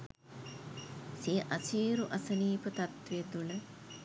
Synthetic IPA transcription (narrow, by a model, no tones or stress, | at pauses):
siːʔɐsiːɾuʔɐsɐniːpət̪ɐt̪ʋiɐd̪ulə